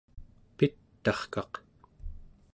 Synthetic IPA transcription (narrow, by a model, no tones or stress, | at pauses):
pit̪ːɑχkɑq